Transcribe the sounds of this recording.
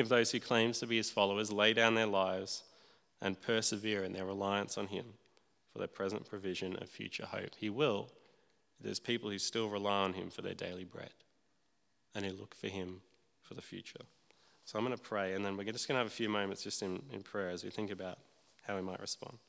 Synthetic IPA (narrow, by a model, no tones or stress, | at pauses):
ʌvðoʊz̥hʉkʰl̥ẽɪ̃mz̥tʰɨbiɨz̥fɑlˠoʊə˞zleɪdãʊ̃nðə˞laɪvz̥ | ʔɨ̰̃npʰɜ˞sɨvɪɹɨ̃nðə˞ɹəlaɪɨ̃nsn̩ɪ̰̃ɱ | fə˞ðə˞pʰɹ̥ɛzə̰̃npʰɹ̥ɨvɪʒɨ̃nʌ̰v̥fjʉ̰t͡ʃə̰˞ho̰ʊphiwɪl̚ˠ | ðə̰˞z̥pʰipl̩ˠhʉstɪlˠɹəlaɪə̃nɪ̰̃ɱfə˞ðə̰˞dḛɪlˠibɹɛ̰ɾ | ɨ̃nhɨlʊkfə˞ɪ̃ɱ | fə˞ðɨfjʉ̰t͡ʃə˞ | soʊãɪ̃mɡʌnəpʰɹ̥eɪɨ̃nðɨ̃nwɨd͡ʒʌsɡ̥ʌ̃nəːvɨfjʉmõʊ̃mɨ̃nsd̥ʒ̥ʌstɨ̃nɪ̰̃npʰɹ̥ɛɹɨzwiθɪ̃ŋkɨbaʊt̚ | haʊimaɪʔ̚ɹɨspɑ̰̃nd̥